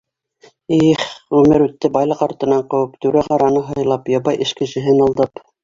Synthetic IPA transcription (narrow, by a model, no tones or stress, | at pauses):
iχʁʉmɘɾʉt̪ːɘbɑjlˠɤqɑɾt̪ɤ̆nɑɴqɤ̆wɤpt̪ʉɾæʁɑɾɑnɤɦɤ̆jlˠɑpjɑbɑjʔɘ̆ʃkɘ̆ʃɘ̆ɦɘnɑlˠd̪ɤp